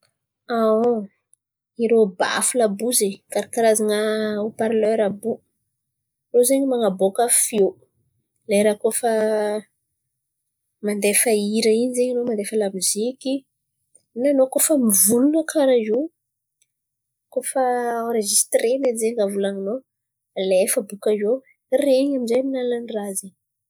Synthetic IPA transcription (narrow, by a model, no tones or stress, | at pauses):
ao | iɾoba̰fulabuzekaɾakiɾazanəopaɾlœɾabu | nozeɲimaŋabokəfio | lejɾakofə | mand̪efəiɾəinizeɲanomand̪efəlamiziki | nanokofəmivulunəkʰaɾazu | kofəwɾeʒist̪renenzeŋɡavulaŋino | lefəbukazo | reɲamizejminalanirazeɲ